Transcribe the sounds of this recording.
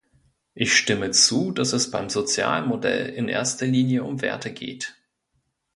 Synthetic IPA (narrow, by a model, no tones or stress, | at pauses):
ʔɪçʃtɪmət͡suːd̥asɛsb̥aɪmzot͡sja̰ːlmodɛ̰lɪnʔḛːɐstɐliːnjəʔʊmvḛːɐtʰəɡḛːt